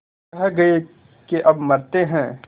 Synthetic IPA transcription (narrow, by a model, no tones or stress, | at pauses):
ɐɦɛɡɐe | keʔɐbmɐɾt̪eɦɛ̃ː